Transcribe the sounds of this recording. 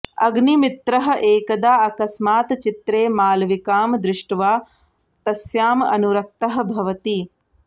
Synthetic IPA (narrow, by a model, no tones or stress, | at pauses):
ɐɡnimit̪ɾɐɦɐ̆ʔeːkɐd̪aːɐkɐsmaːt̪t͡ʃit̪ɾeːmaːlʋikaːmd̪ɾɪʂʈʋaː | t̪ɐsjaːmɐ̰nuɾɐk̚t̪ɐɦɐ̆bʱɐʋɐt̪i